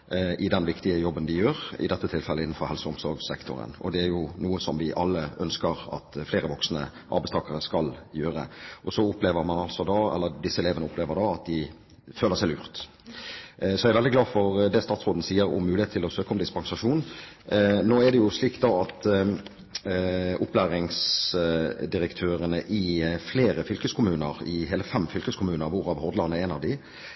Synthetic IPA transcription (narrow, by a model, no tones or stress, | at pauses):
ʔɪd̪ɛnʋɪkt̪ɪəjɔbːənd̪ɪjøːʁɪ̰d̪ɛt̪ːət̪ʰɪlfɛlːəɪnːn̩fɔɾhɛlsəʊmsɔ̰ɾɡsɛkt̪ʊ̰ɾə̰nɔ̰d̪ɛæɾjʊnuːəsɔmʋɪʔɑlːəʔœnskəɾɑ̰t̪fleːɾəʋɔksnə̰ | ʔɑ̰ɾbæɪst̪ʰɑːkəɾəskɑljøːɾə̰ʔɔsɔʊpleːʋəɾmɑnɑltsɔd̪ɑɛ̰lːəɾd̪ɪsːəɛleːʋənəʊpleːʋəɾd̪ɑɑt̪̚d̪ɪ | føːləʁsɛɪlʉ̰ːʁt̪ | sɔæɾɪʋɛld̪ɪɡlɑːfɔɾd̪ɛst̪ɑːt̪sʁoːd̪n̩siːəɾʊ̰mːʉːɪheːt̪ʰːɪlɔsøːkəɔmd̪ɪspɑŋsɑʃuːn | noːɛd̪ɛjʊsliːkt̪d̪ɑɑt̪ | ʔʊplæːɾɪŋs | d̪ɪɾəkt̪ʰøːɾənəʔɪfleːɾəfʏlkəskʰʊmʉːnə̰ɾɪɦeːləfɛmfʏlkəskʰʊmʉːnəɾʋʊʁɑʋhɔʁd̪lɑnəɛːnɑʋd̪ɪ